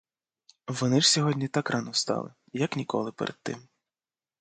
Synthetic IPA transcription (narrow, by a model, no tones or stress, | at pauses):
ʋɔnɪʐsʲɔɦɔdʲnʲit̪ɑkrʔɑnɔst̪ɑ̰lˠɪ̰ | jɐknʲikɔ̰lˠɪpɛɾʔed̪̥̚t̪ːɪ̰m